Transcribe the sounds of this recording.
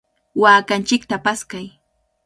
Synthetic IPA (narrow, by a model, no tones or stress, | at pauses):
waːkant͡ʃɪk̚t̪apaskaj